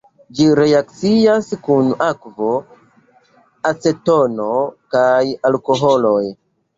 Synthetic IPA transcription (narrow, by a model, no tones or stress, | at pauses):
d͡ʒiɾe̞ak̚t͡siaskunakvo̞ | at͡se̞to̞nokajalko̞ɦolo̞j